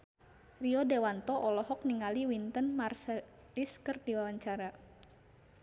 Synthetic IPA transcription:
riɔdewant̪ɔʔɔlɔɦɔk̚niŋaliwint̪ənmarsɛ | liskərdiwawaɲt͡ʃaɾa

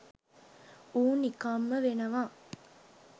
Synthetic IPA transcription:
uːnikaːmːəʋenɐʋaː

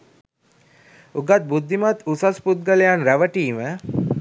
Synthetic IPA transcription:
uɡat̪̚bud̪ʱːimat̪usasput̪̚ɡəlejanɾæʋəʈiːmə

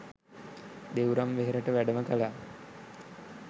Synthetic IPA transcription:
d̪ewɾamʋeɦeɾəʈəʋæɖəməkəla

